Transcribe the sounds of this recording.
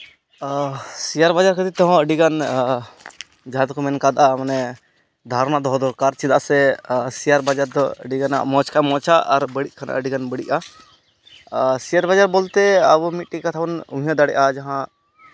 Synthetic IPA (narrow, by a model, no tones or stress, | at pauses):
sijaɾbad͡ʒaɾkət̪it̪ɔɦɔ̃əɖiɡan | d͡ʒat̪kɔmɛnkad̪ʔamanɛ | d̪ʱaɾnaʔd̪ɔɦɔd̪ɔɾkaɾt͡ʃid̪a̰ʔsɛsijaɾbad͡ʒaɾd̪ɔəɖiɡana̰ʔmɔ̃t͡ʃkʰamɔ̃t͡ʃaʔaɾbəɽiʔ̚kʰanʔa̰ʔəɖiɡanbəɽiʔa | sijaɾbad͡ʒaɾbɔlt̪ɛabɔmit̪̚ʈikat̪ʰabɔnũɦijãd̪aɽɛ̰ʔad͡ʒaɦã